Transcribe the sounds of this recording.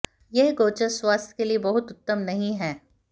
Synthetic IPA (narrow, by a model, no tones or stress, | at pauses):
jeɦɡoːt͡ʃəswaːst̪ʰjkeliebɐɦʊt̪ʊt̪ːəmnɐɦĩɦɛː